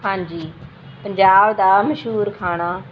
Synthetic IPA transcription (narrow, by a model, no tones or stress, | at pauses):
aːnd͡ʑiː | pəɲd͡ʑaːbd̪aːmɐʃɦuːɾkʰaːɽ̃aː